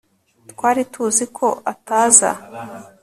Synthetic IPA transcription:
twaːɾitʰuzikʰo̞ʔataːza̰

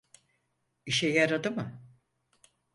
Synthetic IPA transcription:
iʃɛjaɾad̪ɯmɯ

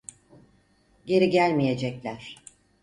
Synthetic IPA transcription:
ɟe̞ɾiɟælʲmije̞d͡ʒɛclʲæɾ̥

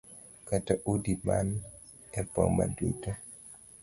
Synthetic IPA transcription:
kataʔudiman | ɛpɔ̰ŋma̰dṵto

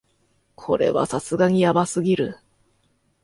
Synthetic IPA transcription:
kʰo̞̰ɾe̞̰βa̰sasɨɡaɲ̟ijabasɨɡʲiɾɯ̟

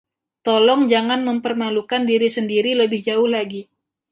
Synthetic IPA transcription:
t̪ɔlɔŋd͡ʒaŋanməmpərmalukandiɾisəndiɾiləbɪhd͡ʒaʊhlaɡi

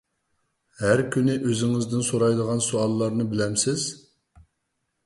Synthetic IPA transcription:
hæɾkʲynɪʔøzɪŋɪzd̪ɪnsoɾɑjd̪əʁɑnsuɑlˠːɑɾnɨbɪlɛmsɪz̥

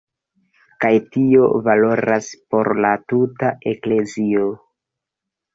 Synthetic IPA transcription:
kajtio̞valo̞ɾaspo̞ɾlatutaʔe̞kle̞zio

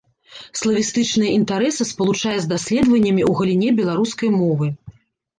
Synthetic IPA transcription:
slˠɐvʲist̪ɨt͡ʂnɨjɐʔint̪aɾɛsɐspɐlˠut͡ʂajɛzd̪asʲlʲɛd̪vɐnʲːɐmʲiuɣɐlʲinʲɛbʲɛlˠaɾuskɐjmɔvɨ

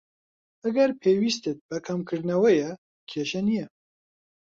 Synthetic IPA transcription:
ɐɡɐɾpʰeːwiːst̪ɨt̪̚bɐkʰɐmkʰɨɾd̪nɐwɐjɛ | kʰeːʃɐnijɛ

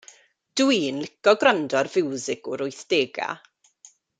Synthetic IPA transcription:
d̥wiːnlɪkɔɡrandɔrvɪwzɪɡʊɾʊjθd̥eːɡa̰

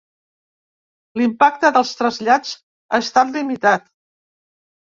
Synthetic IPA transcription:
limpak̚t̪əðəlˠst̪ɾəzʎat͡s | aəst̪at̪limit̪at̪

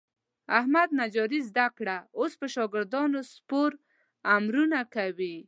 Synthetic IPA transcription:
ahmad̪̚nad͡ʒɔɾizd̪akɽaospəʃɑɡɪɾd̪ɑnospoɾ | amɾunakawi

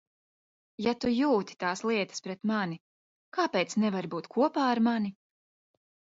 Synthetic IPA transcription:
jat̪ujuːt̪i̥t̪aːslˠiɛt̪ə̥spɾɛt̪mani | kaːpɛːt̪snɛvaɾbuːt̪kʰuɔpaːɾmani

